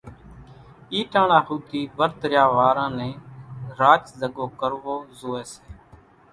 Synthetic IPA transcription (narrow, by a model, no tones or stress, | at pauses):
iːʈãːnãːɦuːt̪iːʋəɾt̪ɾjaːʋaːɾãːnɛ̃ːɾaːt͡ʃzəɡoːkəɾʋoːzoːeːseː